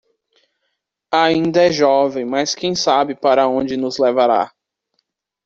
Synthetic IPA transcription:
aĩnd̪ɐɛʒɔvẽj̃mɐskẽj̃sabɪpaɾɐõd͡ʒɪnʊzlɛvaɾa̰

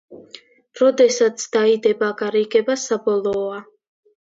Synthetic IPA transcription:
ɾɔd̪ɛsat̪sʰd̪̥aid̪ɛbaɡaɾiɡɛbasabɔlˠɔːa

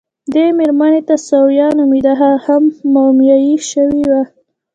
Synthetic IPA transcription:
d̪emeɾmanet̪asawjɑnomid̪aɦahamːawmjɑjiʃəwiwa

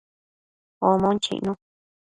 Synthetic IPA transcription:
omõnt͡ʃḭʔnũ

